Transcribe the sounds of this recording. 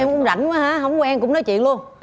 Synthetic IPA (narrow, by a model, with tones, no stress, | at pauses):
ɛ˧mʔʊ˨˧˦ŋ͡mza̰˧˩jŋ̟va˨˦haː˨˥ɦə˧˩wŋ͡mkɔ˨˧˦ʔɛ˧mkʊ̰˧˥ŋ͡mnɔ˨˦jt͡ɕwḭ˧˨ənlu˧əŋ